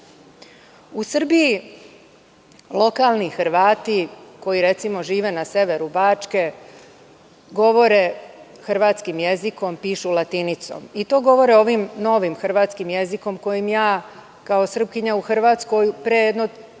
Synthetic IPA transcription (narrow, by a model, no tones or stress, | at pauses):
usr̩biji | lo̞kaːlˠnixrʋaːt̪iko̞jiɾe̞t̪simo̞ʒiːʋe̞nase̞ʋe̞ɾubaːt͡ʃke̞ | ɡo̞ʋo̞ɾe | xr̩ʋaːt̪skimje̞ziko̞mpiːʃulat̪init̪so̞̰mit̪o̞ːɡo̞ʋo̞ɾeo̞ʋimno̞ʋimxr̩ʋaːt̪skimje̞ziko̞mko̞jimjaː | kaosr̩b̚kiɲauxr̩ʋaːt̪sko̞jpɾejed̪no